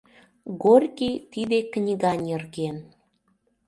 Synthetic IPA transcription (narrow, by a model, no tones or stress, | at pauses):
ɣorʲkit̪id̪eknʲiɣɑnʲerɣen